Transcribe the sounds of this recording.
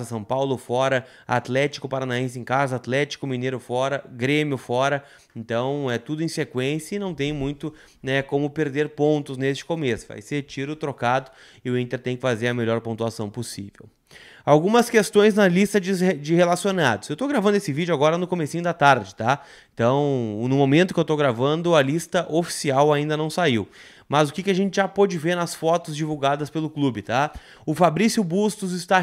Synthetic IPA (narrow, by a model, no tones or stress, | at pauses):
zɐsɐ̃w̃pawlʊfɔɾɐ | a̰t̪lɛt͡ʃi̥kʊpaɾanaẽs̬ẽkazɐat̪lɛt͡ʃi̥kʊminejɾʊfɔɾɐɡɾẽmjʊfɔɾɐ | ẽnt̪ɐ̃w̃ɛt̪ud̪ʊẽj̃sekwẽsjɐɪnɐ̃w̃t̪ẽj̃mũj̃t̪ʊ | nɛkõmʊpeɾd̪eɾpõnt̪ʊznest͡ʃɪ̥komesʊ̥va̰jset͡ʃiɾʊt̪ɾokad̪ʊ | ɪʊĩnt̪eɾt̪ẽj̃kɪfazeɾɐmeʎɔɾpõnt̪uasɐ̃w̃posḭvḛw | awɡũmɐskest̪õj̃znɐlist̪ɐd͡ʒɪd͡ʒɪhelasionad̪ʊz̥ewt̪owɡɾavɐ̃nd̪ʊesɪvid͡ʒʊaɡɔɾɐnʊkomesĩɲʊd̪ɐt̪aɾd͡ʒɪt̪a | ẽnt̪ɐ̃w̃nʊmomẽnt̪ʊkɪewt̪oɡɾavɐ̃nd̪ʊɐlist̪ɐʔofi̥siawaĩnd̪ɐnɐ̃w̃saiw | mɐzʊkɪkɪaʒẽnt͡ʃɪʒapod͡ʒɪveɾnɐsfɔt̪ʊzd͡ʒivuwɡad̪ɐspelʊklubɪt̪a | ʊfabɾisjʊbust̪ʊzɪst̪a